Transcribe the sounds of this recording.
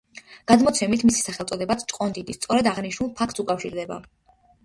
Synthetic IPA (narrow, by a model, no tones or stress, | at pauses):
ɡ̥ad̪mɔt̪sʰɛmit̪ʰmisi̥saχɛlˠt̪sʼɔd̪ɛbat̪sʰt͡ʃʼqʼɔnd̪id̪ist̪sʼɔɾɛd̪aʁniʃnulˠpʰak̚ʰt̪sukʼafʃiɾd̪ɛba̰